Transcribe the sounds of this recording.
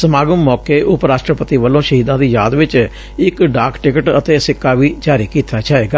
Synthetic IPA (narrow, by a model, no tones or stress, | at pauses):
səmaːɡəmːɔːkeːʔʊpɾaːʃʈɾəpət̪iːʋəlːõːʃəɦiːd̪ãːd̪iːjaːd̪ʋɪt͡ʃ | ɪkɖaːkʰʈɪkəʈət̪eːsɪkːaːʋiːd͡ʒaːɾiːkiːt̪aːt͡ʃaːɦeːɡaː